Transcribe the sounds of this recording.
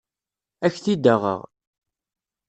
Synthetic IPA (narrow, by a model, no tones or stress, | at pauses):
æçθid̪əʁə̰ʁ